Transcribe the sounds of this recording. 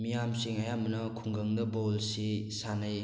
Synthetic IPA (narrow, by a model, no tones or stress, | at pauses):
mijamsiŋajamnɐkʰuŋɡɐŋdɐbolsisanaj